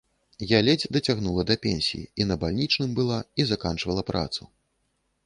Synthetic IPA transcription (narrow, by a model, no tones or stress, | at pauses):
jalʲɛd͡zʲd̪ɐt͡sʲaɣnulˠɐd̪ɐpʲɛnʲsʲḭjḭinɐbalʲnʲit͡ʂnɨmbɨlˠaizakant͡ʂvɐlˠɐpɾa̰t̪su